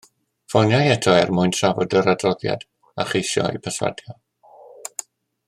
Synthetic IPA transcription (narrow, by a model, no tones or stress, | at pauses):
fɔnjajɛtʰɔɛrmʊɨntʰravɔdəɾadrɔðja̰d̥ | aχejʃɔ̰ḭpʰəswa̰djɔ